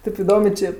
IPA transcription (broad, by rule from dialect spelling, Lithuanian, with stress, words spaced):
ˈtʲeːp ɪˈdoːmʲeː ˈt͡ʃʲeː